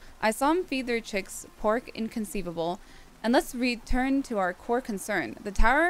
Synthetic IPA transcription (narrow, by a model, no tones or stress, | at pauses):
ʔaɪsɔ̃ɱfid̪ðə˞t͡ʃʰɪkspʰɔɹkɪ̰̃nkʰɨ̃nsivəbl̩ˠ | ʔɨ̃nlətsɹitʰɜ̃˞ntʰɨaʊə˞kʰɔɹkʰɨ̃nsɜ̃˞nðɨtʰaʊə˞